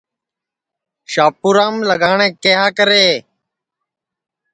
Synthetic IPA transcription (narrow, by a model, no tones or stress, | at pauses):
ʃaːpuːɾãːmləɡaːɳẽːkeɦaːkəɾeː